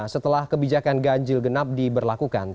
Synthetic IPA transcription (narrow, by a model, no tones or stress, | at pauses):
sət̪əlahkəbid͡ʒakanɡaɲd͡ʒɪlɡənap̚dibərlakuka̰n